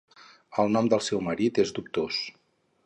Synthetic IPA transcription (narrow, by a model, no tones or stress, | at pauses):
əlˠnɔmd̪əlˠsɛwməɾit̪ezd̪up̚t̪os